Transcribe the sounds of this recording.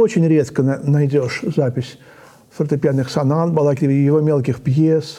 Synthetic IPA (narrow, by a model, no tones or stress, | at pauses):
ot͡ɕɪnʲɾʲe̞t̪kənɐjdʲo̞ʂzapʲɪsʲ | fɾt̪ɨpʲjad̪nɨxsɐnanbɐlˠakʲɪvjɪvo̞mʲelˠkʲɪxpjes